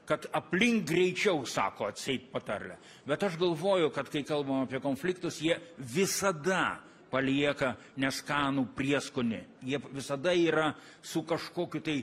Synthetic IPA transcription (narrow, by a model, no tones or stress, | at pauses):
kɐt̪ɐpʲlʲɪŋk̚ɡrʲɛɪt͡ʃʲɛʊsɑ̰ːkoːɐt̪ʲsʲɛɪt̪pɐt̪ɐrʲlʲɛ̰ | bʲɛt̪ɐʃɡɐlˠʋoːjʊkɐt̪kɐɪkɐlˠbɐmɐːpʲiɛkoːnfʲlʲɪkt̪ʊsjiɛʋʲɪsɐd̪ɐ | pɐlʲiɛkɐ | nʲɛskɑːnuːpʲrʲiɛskʊnʲɪ̰jiɛʋʲɪsɐd̪ɐiːɾɐ | sʊkɐʃkoːkʲʊt̪ɐɪ